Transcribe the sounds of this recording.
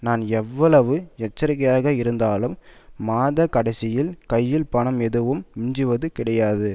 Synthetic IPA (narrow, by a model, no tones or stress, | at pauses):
naːnɛʋːɐɭɐʋɯɛt͡ʃːɐɾɪɣɐjaːɣɐɪɾɯnd̪aːlɯmːaːðɐkɐɽɐɪsɪjɪlkɐjːɪlpɐɳɐmɛðɯʋɯmʊɲd͡ʒɯʋɐðɯkɪɽɐjaːðɯ